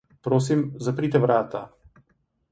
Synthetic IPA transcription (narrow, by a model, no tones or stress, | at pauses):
pɾoːs̬imzapɾit̪ɛʋɾaːt̪a